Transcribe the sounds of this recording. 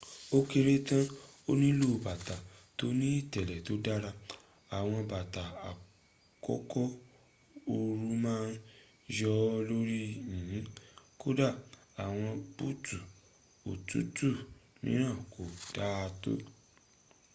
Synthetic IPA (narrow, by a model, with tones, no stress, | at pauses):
o˦ke˧ɾe˦tã˦ | o˦nĩ˦lo˦˨ba˨ta˨to˦nĩ˦i˦˨tɛ˨lɛ˨to˨˦da˦ɾa˧ | a˨w̃ɔ̃˧ba˨ta˨a˨ | kɔ̰˦kɔ˦ | o˧ɾu˦mãː˦n˦ | d͡ʒɔ˧˦lo˦ɾi˦jĩ˨˦ko˦da˦˨ | a˨w̃ɔ̃˧b̥u˦˨tu˨ | o̰˨tu˦tu˦˨mĩ˦ɾ̃ã˦˨ko˨d̥a˨˦a˧to̰˦